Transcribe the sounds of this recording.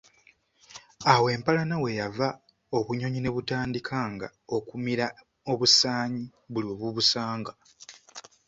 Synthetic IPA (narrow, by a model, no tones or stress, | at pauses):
awe̞ːmpalanawe̞java | o̞βuɲo̞ɲine̞βutaːndikʰaŋɡa̰o̞kumiɾa | o̞βusaːɲiβulio̞βuβusaːŋɡa